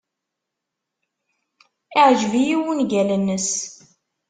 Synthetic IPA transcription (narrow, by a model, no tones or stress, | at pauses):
ɪʕʒvijiwunɡælənːəs